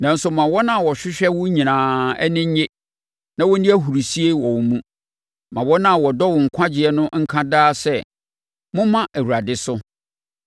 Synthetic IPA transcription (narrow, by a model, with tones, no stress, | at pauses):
nã˨n̩˦sʊ˨mã˨wɔ˦nã˦˨wɔ˨ɕᶣɪ˦ɕᶣɛ˦wʊ˦ɲĩ˨nãː˨ɛ̰˦nɪ̃˦ɲe˦ | nã˦wɔ˦nĩ˦æ˦ɦu˨ɾu˨si˦e˦wɔ˨wmũ˦ | mã˨wɔ˦nã˦˨wɔ˨dɔ˦wʊ˨ŋ̩˨kʷʰã˦d͡ʑɪ˨ɛ˦nʊ̃˦ŋ̩˦kʰã˦daː˦sɛ˦˨ | mʊ̃˦mã˦ʔæ˨wu˨ɾa˨dɪ˦sʊ˦